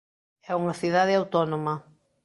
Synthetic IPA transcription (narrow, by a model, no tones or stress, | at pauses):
ɛuŋɐθiðaðɪawt̪ɔnomɐ